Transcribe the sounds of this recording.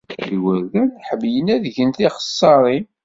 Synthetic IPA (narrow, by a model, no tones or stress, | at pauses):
iwəɾðænθħəmjənæðʝənθiχə̥sˤːɑɾˤi